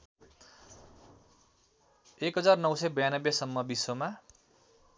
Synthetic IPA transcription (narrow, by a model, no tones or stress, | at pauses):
ekɦʌd͡zarnʌwsʌjbʌjanʌbjesʌmːʌbisʌma